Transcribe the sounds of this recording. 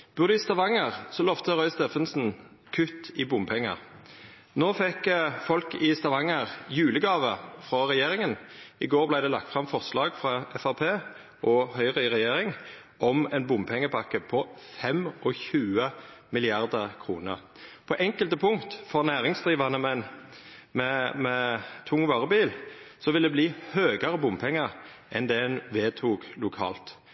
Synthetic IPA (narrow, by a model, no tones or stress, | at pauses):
b̥ʉʁd̪ʉɪst̪ɑʋɑŋəʁsɔlɔft̪əʁœʏst̪eːfənsn̩ | kʰʉt̪ɪbʊmpʰɛŋːə̰ʁ | noːfɛkfɔlkɪst̪ɑʋɑŋəʁjʉːləɡɑːʋəfʁɔʁɛjeːʁɪŋənɪɡoːʁblæɪd̪ɛlɑ̰k̚t̪fʁɑmfɔʁslɑːɡfʁɑɛfɑpʰeː | ʔɔhœʏʁəɪʁɛjeːʁɪŋ | ʔɔmɛnbʊmpʰɛŋːəpʰɑkːəpʰɔfɛmɔçʉːəmɪlɪɑʁd̪əʁkʰʁuːnə̰ʁ | pʰɔʔɛŋkəlt̪əpʰʊŋkt̪fɔʁnæːʁɪŋsd̪ʁiːʋɑnəmɛn | mɛmɛt̪ʰʊŋːʋɑːʁəbiːlsɔʋɪld̪ɛbliːhøːɡəʁəbʊmpʰɛŋːəʁ | ʔɛnd̪ɛɛnʋeːt̪ʰuːɡlʊkʰɑ̰ːlt̪